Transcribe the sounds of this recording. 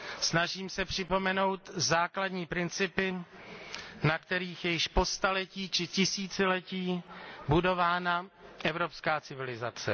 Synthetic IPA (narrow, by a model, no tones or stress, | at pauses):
snaʒiːmsɛpr̥ɪpo̞mɛno̞wt̪zaːkladɲiːpɾɪnt͡sɪpɪ | nakt̪ɛɾiːxjɛjɪʃpo̞st̪alɛciːt͡ʃɪcɪsiːt͡sɪlɛciːbudo̞vaːnaʔɛvɾo̞pskaːt͡sɪvɪlɪzat͡sɛ̰